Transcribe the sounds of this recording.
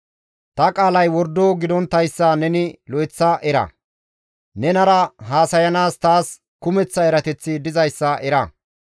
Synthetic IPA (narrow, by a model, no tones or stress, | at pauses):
t̪ɐkʼaːlɐjwɔɾd̪oːɡɪd̪ɔnt̪ːɐjsːɐnɛnɪlɔjt͡sːɐʔɛɾɐ̰ | nɛnɐɾɐɦaːsɐjɐnaːst̪aːs | kʊmɛt͡sːɐɛɾɐt̪ɛt͡sːɪd̪ɪzɐjsːɐʔɛɾɐ